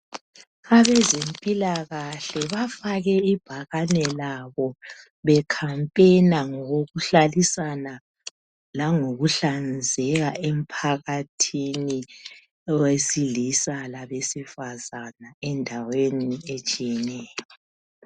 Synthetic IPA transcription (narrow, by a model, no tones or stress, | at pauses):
aβɛzempʼilaɣaɬɛβafaɣɛib̥ʱaɣanɛlaβɔ | βɛkʰampʼenaŋɔɣoɣuɬalisana | laŋoɣuɬand͡zʱɛɣaʔem̩pʰaɣatʰini | wesilisalaβesifazanaɛndʱaweniet͡ʃʼijɛnɛːjjɔ